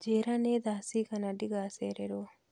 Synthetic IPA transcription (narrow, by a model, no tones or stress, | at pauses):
d͡ʒeːɾaneːd̪aːsiːkɐnaɖiɡaːseɾeɾoː